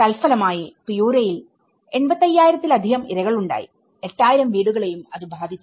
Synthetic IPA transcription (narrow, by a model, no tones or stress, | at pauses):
ɐlfɐlɐmaːjipijuːɾɐjil | e̞ɳbɐt̪ːɐjːaːjiɾɐt̪ːilɐd̪ʱiɣɐmiɾɐɣɐɭuɳɖa̰ːjḭ | e̞ʈːaːjiɾɐmʋiːɽuɣɐɭe̞jumɐðɨbʱaːd̪ʱit͡ɕːu